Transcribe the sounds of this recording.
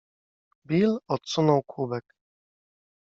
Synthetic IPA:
bʲilɔt̪sunɔwkʰubɛk

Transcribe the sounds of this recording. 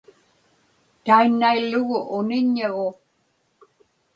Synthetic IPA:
t̪ainːailːʊɣʊʔʊnɪɲːeɣo

